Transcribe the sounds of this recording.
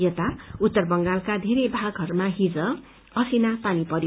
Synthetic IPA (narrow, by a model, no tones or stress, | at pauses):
jʌt̪aut̪ːʌrbʌŋɡalkad̪ʱeɾebʱaɡɦʌɾumaɦid͡zʌ | ʌsinapanipʌɾj